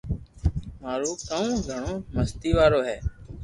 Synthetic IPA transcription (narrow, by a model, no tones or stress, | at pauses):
maːɾuːkəõːɡʱəɳoːməst̪iːʋaːɾoːɦɛː